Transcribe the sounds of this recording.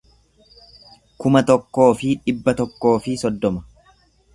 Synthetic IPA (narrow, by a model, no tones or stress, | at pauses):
kʊmɐt̪ɔkːo̞ːfɪᶑɪbːɐt̪ɔkːo̞ːfɪsɔd̪ːɔmɐ̥